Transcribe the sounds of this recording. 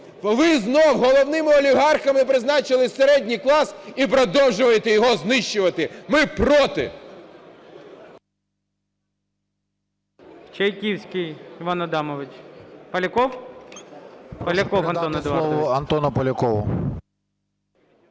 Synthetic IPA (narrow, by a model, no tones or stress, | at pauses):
ʋɪznɔwɦɔlˠɔwnɪmɪɔlʲiɦɑrxɐmɪpɾɪznɑt͡ʃɪlˠɪseɾɛdʲnʲijklˠɑsipɾɔd̪ɔwʒʊʋɐjet̪ɛjɔɦɔznɪʃt͡ʃːʊʋɐt̪ɪmɪpɾɔt̪ɪ̰ | t͡ʃɐjkʲiwsʲkʲɪjɪʋanɐd̪ɑmɔʋɪt͡ʃpɐlʲɐkɔw | pɐlʲɐkɔwɐnɔnɐd̪ˠɔʋɔɐnt̪ɔnɔpɔlʲɐkɔʋʊ̰